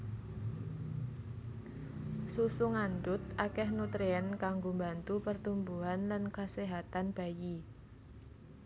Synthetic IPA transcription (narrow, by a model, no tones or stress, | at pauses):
susuŋand̪ʊt̪̚ʔakɛhnut̪ɾeankaŋɡombant̪upərt̪umbuɦanlankaseɦat̪anb̥a̤ji